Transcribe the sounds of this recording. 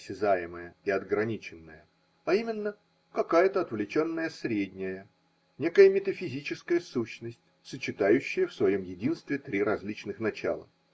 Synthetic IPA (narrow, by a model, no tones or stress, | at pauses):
sʲːɪzajɪməjəɪɐd̪ɡɾɐnʲit͡ɕɪnːəjə | aimʲɪnːə | kɐkajət̪əɐt̪vlʲɪt͡ɕo̞nːəjəsɾʲedʲnʲɪjə | nʲe̞kəjəmʲɪt̪əfʲɪzʲit͡ɕɪskəjəsuɕnəsʲtʲ | sət͡ɕɪt̪ajʉɕːɪjəfsvɐjo̞mjɪdʲinst̪vʲɪt̪ɾʲiɾɐzʲlʲit͡ɕnɨxnɐt͡ɕa̰lˠə̰